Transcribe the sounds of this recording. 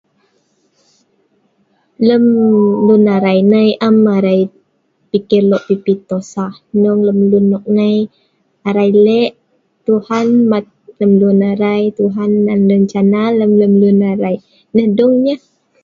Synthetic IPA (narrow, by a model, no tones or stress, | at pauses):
ləmlunaɾajnəjʔamaɾaj | pikɪrlɔʔpipit̪osahnɔŋləmlunːɔʔŋəj | aɾajlɛʔ | t̪uhanmat̪̚ləmlunaɾajt̪uɦanːanləɲt͡ʃanaləmləmlunaɾaj | nəhdɔŋɲəh